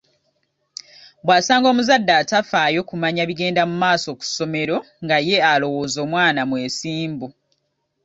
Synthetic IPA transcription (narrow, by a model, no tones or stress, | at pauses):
bwaːsaːŋɡoːmuzadːaːtafajo̞kumaɲaβiɡe̞ːndamumaːso̞ku̥so̞me̞ɾo̞ | ŋɡaje̞alo̞wo̞ːzo̞ːmwaːnamwe̞ːsiːmbu